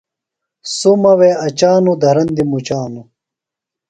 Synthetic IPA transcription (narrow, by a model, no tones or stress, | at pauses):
sumɐweɐt͡ɕaːnud̪ʱɐɾɐnd̪imut͡ɕaːnu